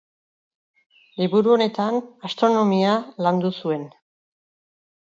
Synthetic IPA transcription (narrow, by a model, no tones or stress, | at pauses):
liβuɾuo̞ne̞t̪anast̪ɾo̞no̞mialand̪usue̞n